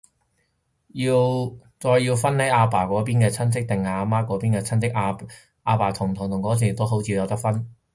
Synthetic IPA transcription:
jiː˧wt͡sɔː˧jːiː˧wfɐ˥nne˨˥aː˧paː˨˩kʷɔː˨˥p̬iː˥nkɛː˧t͡sʰɐ˥nt͡sɪ˥k̚t̪ɪ˨ŋaː˨˧maː˥kːɔː˨˥piː˥nkɛː˧t͡sʰɐ˥nt͡sɪ˥k̚a˧ | aː˧paː˨˩t̪ʰʊ˨˩ŋt̪ʰʊ˨˩ŋt̪ʰʊ˨˩ŋkɔː˨˥t͡sʰiː˨˩t̪o˥wɦo˨˥wt͡sʰiː˧jɐ˨˧wt̪ɐ˥k̚fɐ˥n

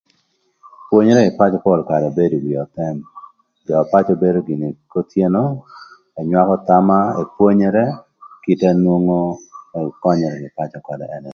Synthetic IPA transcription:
pwo˦ɲe˦ɾɛ˦ɡɪ˨pa˦t͡ʃɔ˨kɔ˦˨lka˨ɾɛ˨be˦do˨wi˨ɔ˨tɛ˦m | dɔ˨a˨pa˦t͡ʃo˦be˦do˦ɡɪ˨ni˨ko˦tje˦no˦ | ɔ˨ɲwa˦kɔ˦ta˦ma˦e˨pwo˦ɲɛ˦ɾɛ˦ | ki˦ta˦nwo˦ŋo˦˨ | kɔ˦ɲɔ˨ɾɛ˨ɡɪ˨pa˦t͡ʃɔ˨kɔ˨dɛ̰˨ʔɛ˦nɛ˨

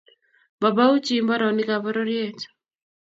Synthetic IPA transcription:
ba˨ba˦u˦t͡ʃi˦mba˦ɾɔ˨ni˦ka˨βa˦ɾɔɾjɛ˨t͡ʃḁ

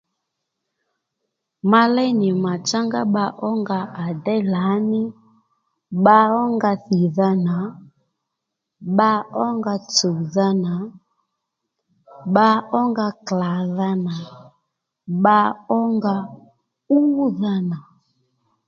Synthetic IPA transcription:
ma˦lɛ˦ni˨ma˨t͡ʃa˦ŋɡa˦ɓa˦ʔɔ˦ŋɡa˨ʔa˨dɛ˦la˨˦ni˦ | ɓa˦ɔ˦ŋɡa˦θi˨ða˦na˨ | ɓa˦ɔ˦ŋɡa˦t͡so˨ða˦na˨ | ɓa˦ɔ˦ŋɡa˦kla˨ða˦na˨ | ɓa˦ɔ˦ŋɡa˦ | u˦ða˦na˨

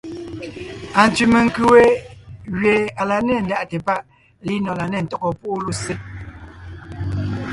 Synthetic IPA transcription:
a˨n̩˨tʉ˨me˨ŋ̩˦˨kʉ˦we˦ɣɥe˨a˨la˨nɛ˦˨n̩˦da˦˨ʔtɛ˨pa˦ʔ | li˦nɔ˨la˨nɛ˨n̩˨tɔ˦kɔ˨pu˦ʔlu˦se˦t̚

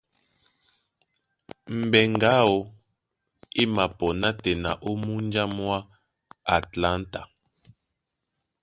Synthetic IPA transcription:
m̩˨bɛ˨ŋɡa˦o˨ | i˦ma˨pɔ˨na˦tɛ˨na̰˨ʔo˦mu˦n˦d͡ʒa˦mwa˦ | a˨tla˦nta̰˨

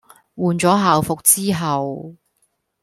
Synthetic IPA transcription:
wuː˨nt͡sɔː˨˥ɦaː˨wfʊ˨k̚t͡siː˥ɦɐ˨w

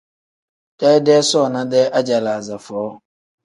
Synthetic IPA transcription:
tɛ˦dɛː˦sɔ˦ɔ˨nã˦dɛ˦ʔa˦d͡ʑa˨la˨za˨fɔː˨˦

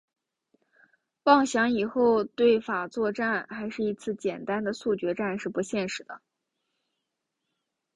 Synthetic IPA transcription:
pɑ˥˩ŋɕjɑ˧˥ŋi˨˩xo˥˧ʊt̪we˥˩ɪfa˨˩t͡swɔ˥˧ʈ͡ʂa˥˩nxa˧˥ɪʂɻ̩˥˩i˧˥t͡sʰɹ̩˥˩t͡ɕjɛ˨˩nt̪a˥nd̪ə˨su˥˩t͡ɕɥɛ˧˥ʈ͡ʂa˥˧nʂɻ̩˥˩pu˧˥ɕjɛ˥˩nʂɻ̩˧˥d̪ə˧

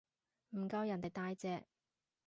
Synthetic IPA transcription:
m̩˨˩kɐ˧wjɐ˨˩nt̪e˨jt̪aː˧jt͡sɛː˧

